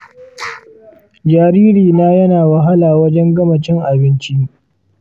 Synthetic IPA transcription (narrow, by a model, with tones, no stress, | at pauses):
d͡ʒaː˨ɾiː˦ɾiː˨naː˦jɐ˦naː˨wɐ˨ɦa˦laː˨wɐ˦d͡ʒɛ˦ŋɡɐ˦mɐ˨t͡ʃɪ˦ŋʔa˨bɪ˦nt͡ʃi˦